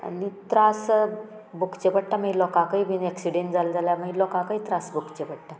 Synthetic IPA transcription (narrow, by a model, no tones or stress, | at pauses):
a̰nit̪ɾas | bukt͡ɕepəɽ̚ʈaməilɔkakaibinɛksiɽeɳʈd͡zald͡zaljaməilɔkakait̪ɾasbukt͡ɕepəɽʈa